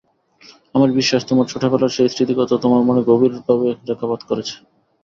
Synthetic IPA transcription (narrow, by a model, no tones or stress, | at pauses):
amaɾbiʃːaʃt̪omoɾt͡ɕʰoʈʰːapelaɾʃejsɾit̪iɡɔt̪ot̪omaɾmoneɡobiɾbʱɔbeɾɛkʰːapad̪koɾet͡ɕʰe̥